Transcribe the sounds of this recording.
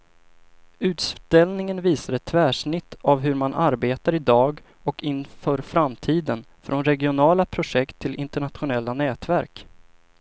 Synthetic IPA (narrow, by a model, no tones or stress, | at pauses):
ʉ̟ːt̪st̪ɛlnɪŋənviːsad̪ɛt̪ʰːvæːʂɳɪt̪ʰːavɦɵɾmanʔaɾbeːt̪aɾɪd̪ɑːɡ | ɔkɪnfœːɾfɾamt̪ʰiːd̪ən | fɾʔɔnɾɛɡɪʊnɑːlapʰɾʊʂɛkt̪ʰːɪlʔɪnt̪əɳat̪ɧʊnɛlːanɛːt̪væɾk